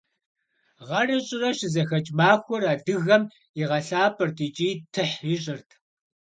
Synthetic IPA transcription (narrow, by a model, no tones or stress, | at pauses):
ʁɐrɐɕʼɪrɐɕɪzɐxɐt͡ʃʼmaːxʷɔraːdɨɣɐm | iʁɐɬaːpʰʼɨrtʰʼiːt͡ʃʼiːtʰɨħjɪɕ̬ʼɪrtʰ